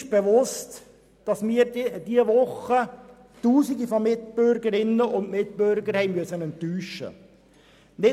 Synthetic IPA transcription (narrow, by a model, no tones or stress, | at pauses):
ʃb̥ɛʋʊst | d̥ɑsmiːɾdiəʋʊχə | tuːsiɡifɔmɪt̚bøɾɡəɾɪnːəʔʊndmɪt̚pøɾɡəɾhɛɪmyəsənɛntːyːʃə̰ | nɪ